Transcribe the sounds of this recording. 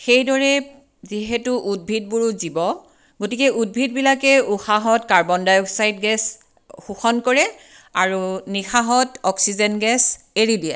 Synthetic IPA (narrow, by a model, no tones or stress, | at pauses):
xejdɔɹɛ | ziɦetuʔud̚bʱit̚buɹuzibɔ | ɡotikɛʔud̚bʱidbilakɛuxaɦɔtkaɹbɔndajɔksajtɡɛs | xuxɔnkɔɹɛ | aɹunixaɦɔtɔksizɛnɡɛs | eɹidiɛ